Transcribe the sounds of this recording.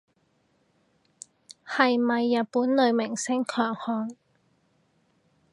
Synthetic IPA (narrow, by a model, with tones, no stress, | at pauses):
hɐ˨jmɐ˨jːɐ˨t̚puː˨˥nlɵ˨˧ɥmɪ˨˩ŋsɪ˥ŋkʰœː˨˩ŋhɔː˨˧ŋ